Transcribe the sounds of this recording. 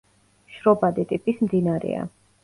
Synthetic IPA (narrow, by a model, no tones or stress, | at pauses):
ʃɾɔbad̪it̪ʼipʼismd̪inaɾɛ̰a̰